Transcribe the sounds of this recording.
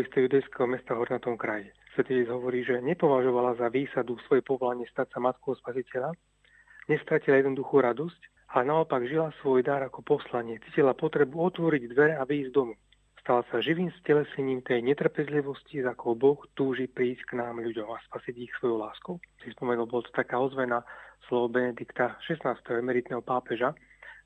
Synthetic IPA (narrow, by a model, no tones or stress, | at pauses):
ist̪ɛjud̪ajskɛɦɔmɛst̪aɦɔɾnat̪ɔmkɾaji | sʋɛt̪ɔɛd͡zɦɔʋɔɾiːʒɛɲɛpɔʋaʒɔʋalazaʋiːsad̪usʋɔjɛpɔʋɔlaɲɪɛst̪atsamat̪kɔɦɔspasicɛʎa | ɲɛst̪ɾacilajɛd̪nɔd̪uxuːɾad̪ɔsc | alɛnaɔpaɡʒilasʋɔjd̪aɾakɔpɔslaɲɪɛt͡siːcilapɔt̪ɾɛbuɔt̪ʋɔɾiɟd̪ʋɛɾɛaʋiːzd̪ɔmu | st̪alasaʒiʋiːmscɛlɛsɛɲiːmt̪ɛjɲɛt̪r̩pɛzliʋɔscizakɔbɔxt̪uːʒipɾiːscknaːmʎuɟɔmaspasiɟixsʋɔjɔʊlaːskɔʊsispɔmɛnulbɔlɔt̪ɔ̥t̪akaːɔzʋɛnaslɔʋɔbɛnɛd̪ikt̪aʃɛsnaːst̪ɛɦɔɛmɛɾit̪nɛɦɔpaːpɛʒa